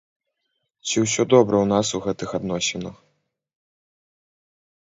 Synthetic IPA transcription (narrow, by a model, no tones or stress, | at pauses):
t͡sʲiwsʲɔd̪ɔbɾɐwnasuɣɛt̪ɨxad̪nɔsʲɛnɐx